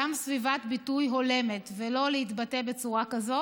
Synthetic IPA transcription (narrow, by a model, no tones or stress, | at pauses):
amsvivat̪bitujɦo̞le̞me̞tvelo̞leitbate̞be̞t͡suʁakazo